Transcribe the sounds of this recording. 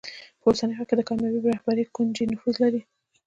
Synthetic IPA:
pəosanəjxɑked̪əkɑmjɑbibɾahbaɾikund͡ʒinʊfuzlaɾi

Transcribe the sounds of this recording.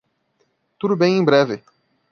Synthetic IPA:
t̪ud̪ʊbẽj̃ẽj̃bɾɛvɪ

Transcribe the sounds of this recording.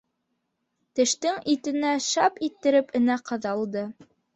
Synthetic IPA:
t̪ɘ̆ʃt̪ɘŋit̪ɘ̆næʃɑpit̪ːɘ̆ɾɘpɘ̆næqʰɤ̆ðɑlˠd̪ɤ

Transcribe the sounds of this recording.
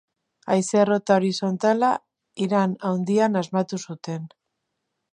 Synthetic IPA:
ajse̞ro̞t̪aoɾiso̞nt̪ala | iɾanawnd̪ianazmat̪usut̪e̞n

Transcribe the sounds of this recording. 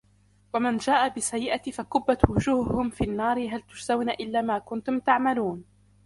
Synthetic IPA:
wamand͡ʒaːʔabɪsajːɪʔat̪ifakʊbːat̪wʊd͡ʒuːhʊhʊmfiːʔnːɑːɾɪɦalt̪ʊ̥ʃzawnaʔɪlːaːmaːkʊnt̪ʊmt̪aʕmaluːn

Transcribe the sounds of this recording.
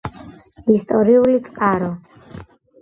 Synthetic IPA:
ist̪ʼɔɾiulit̪sʼqʼaɾɔ

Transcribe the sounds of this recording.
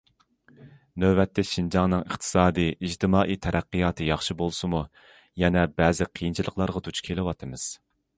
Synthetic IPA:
nøbɛt̪ːɛʃind͡ʒɑŋnɨŋəχt̪ʰɨ̥sɑːd̪ɨid͡ʒt̪ʰɨmɑːʔit̪ʰɛɾɛqːɨjɑːt̪ʰɨjɑχʃibolˠsɨmu | jɛnɛbɛːzɪqʰijint͡ʃʰilˠəqʰlˠɑɾʁɑt̪ʰut͡ʃʰkʲʰelɪwɑt̪ʰɨmɨz̥

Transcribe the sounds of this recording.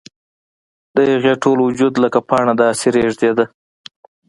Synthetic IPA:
d̪̥əjaɣeʈolwʊd͡ʒud̪ləkapɑɳad̪ɑsiɾeʐd̪ed̪a

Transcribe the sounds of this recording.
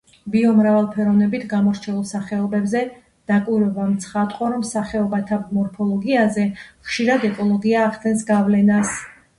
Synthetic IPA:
biɔmɾavalˠpʰɛɾɔvnɛbit̪ʰɡamɔɾt͡ʃʰɛulˠsaχɛɔbɛbzɛ | d̪̥akʼwiɾwɛbamt̪sʰχat̪ʼqʼɔɾɔmsaχɛɔbat̪ʰamɔɾpʰɔlˠɔɡiazɛχʃiɾad̪ɛkʼɔlˠɔɡiaːχt̪ɛnsɡavlɛnas

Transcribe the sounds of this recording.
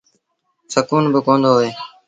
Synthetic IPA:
səkuːnbəkõːnd̪oːɦoeː

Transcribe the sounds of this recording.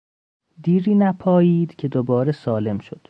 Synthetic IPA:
d̪iːɾiːnæpʰɒːjiːd̪̥cʰe̞d̪obɒːɾesɒːle̞mʃod̪̥

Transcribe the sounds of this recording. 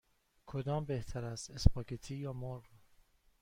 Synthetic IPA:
kʰod̪ɒːmbeht̪ʰæɾæst̪espʰɒːkʰet̪ʰiːjɒːmoɾɣ

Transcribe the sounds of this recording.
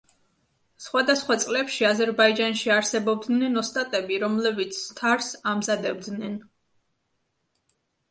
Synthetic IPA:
sχwad̪asχwat̪sʼlɛpʃiazɛɾbaid͡ʒanʃiaɾsɛbɔb̚d̪nɛnɔst̪ʼat̪ʼɛbiɾɔmlɛbit̪sʰt̪ʰaɾsamzad̪ɛb̚d̪nɛn

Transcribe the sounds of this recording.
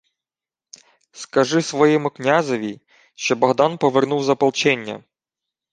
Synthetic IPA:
skɐʒɪsʋɔjɛmʊknʲazɔʋʲi | ʃt͡ʃɔbɔɣd̪anpɔʋernuwzɐpɐlˠt͡ʃɛnʲːɐ̰

